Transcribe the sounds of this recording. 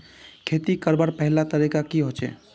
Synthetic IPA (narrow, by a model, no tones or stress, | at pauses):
kʰeːt̪ikəɾbəɾpəɦɪlat̪əɾikakiɦot͡ʃḛː